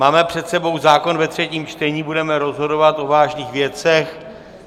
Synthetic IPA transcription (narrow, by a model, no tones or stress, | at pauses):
maːmɛpr̝̥ɛt̪sɛbo̞wzaːko̞nvɛt̪r̝̥ɛciːmt͡ʃt̪ɛɲiːbudɛmɛɾo̞zɦo̞do̞vat̪ʔo̞vaːʒniːxvjɛt͡sɛx